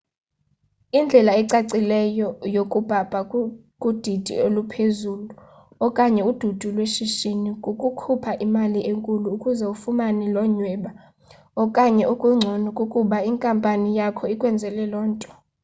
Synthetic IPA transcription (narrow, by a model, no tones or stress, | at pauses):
ind͡ɮʱɛlaɛǀaǀilɛjɔjokʼub̥ʱab̥ʱa | kʼud̥ʱid̥ʱḭolupʰezulu | ɔkʼaɲɛud̥ʱud̥ʱulweʃiʃinikʼukʼukʰupʰaʔimaliʔeŋkʼuluːkʼuzɛufumanilɔɲwɛːɓa | ɔkʼaɲɛʔukʼuŋ͡ǀʱonukʼukʼuɓaiŋkʼampʼanijakʰɔikʼwɛnd͡zʱɛlɛlɔːntʼɔ̥